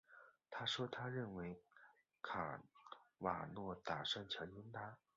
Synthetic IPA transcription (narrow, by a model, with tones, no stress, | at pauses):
t̪ʰa˥ʂwɔ˥t̪ʰa˥ɻə˥˩nwe˧˥ɪ | kʰa̰˨˩wa̰˨˩nwɔ˥˩t̪a˨˩ʂa˥˩nt͡ɕʰjɑ˧˥ʊjʊ˥ŋna˥